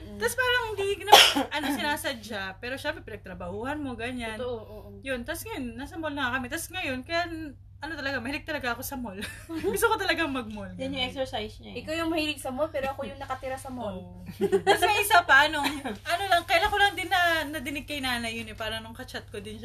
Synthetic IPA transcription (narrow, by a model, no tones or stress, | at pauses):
t̪aspaːɾɐŋhilɪɡnɐʔɐnosɪnaːsɐd͡ʒapɛːɾo̞ʃɛbɾɛpɪnɐɡ̚t̪ɾɐbɐhuːhɐnmo̞ɡɐɲanʔoʔjont̪asŋɐjonːaːsɐmolnɐŋakɐmɛt̪asŋɐjo̞nkɐjan | ʔɐno̞t̪ɐlɐɡamɐhɪlɪɡ̚t̪ɐlɐɡaʔɐko̞sɐmolɡʊst̪okot̪ɐlɐɡaŋmɐɡ̚molɡjɐnɲʊɛksɛɹsajsɲɐɪkawjʊŋmɐhiːlɪɡ̚sɐmolpɛːɾoɐkojʊŋnɐkɐt̪ɪɾasɐmol | t̪ɐsmɐisapɐʔɐno̞ʔɐno̞lɐŋkɐʔɪlaŋko̞lɐŋd̪ɪnːɐnɐd̪ɪnɪɡ̚kɐjnaːnɐjːʊnɛpaːɾɐnʊŋkɐt͡ʃat̪̚kod̪ɪnʃa